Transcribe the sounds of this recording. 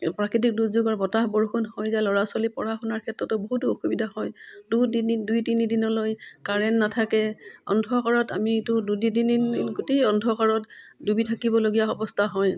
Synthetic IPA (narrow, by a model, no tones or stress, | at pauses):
pɹakɹit̬ik̚dutzuɡaɹbɔtahbɔɹuxʰɔnhɔjzalɔɹaswalipɔ̰ɹaxɔnaɹkʰɛtɹɔtɔboɦutoxubidʱaɦɔjdudinindujtinidinɔlojkaɹɛnːatʰakɛɔ̰ndʱɔkaɹɔta̰mitʊdudidininɡotejɔndʱɔkaɹɔtdubitʰakibɔloɡijaɔbɔstʰaɦɔj